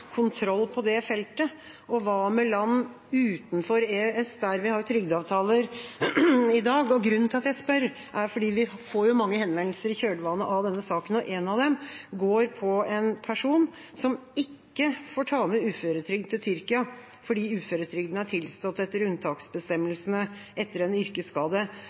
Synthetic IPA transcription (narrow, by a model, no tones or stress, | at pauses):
kʰʊnt̪ʰɾɔlːpʰɔd̪ɛfɛlt̪ə | ɔʋɑmɛlɑnː | ʉːt̪nfɔɾeːɛsd̪æɾʋɪhɑɾjʊt̪ʰɾʏɡd̪ɑːʋt̪ʰɑːləɾ | ɪd̪ɑːɡɔɡɾʉnənt̪ʰɪlɑt̪jæɪspœɾ | ʔæɾfɔɖiːʋɪfoːɾjʊmɑŋːəhɛnʋɛnlsəɾɪçøːɖəʋɑːnəʔɑʋd̪ɛnːəsɑːkənɔʔɛnɑʋd̪ɛmɡoːɾpʰɔɛnpʰæʂuːn | sɔmɪkːəfoːʈʰɑːməʉːføːɾət̪ʰɾʏɡd̪t̪ɪlt̪ʰʏɾkɪɑ | fɔɖiːʉːføːɾət̪ʰɾʏɡd̪nəæʈʰɪlst̪ɔt̪ːɛt̪ːəɾʉnt̪ʰɑːksbəst̪ɛmːəlsənəʔɛt̪ːəɾɛnʏɾkəskɑːd̪ə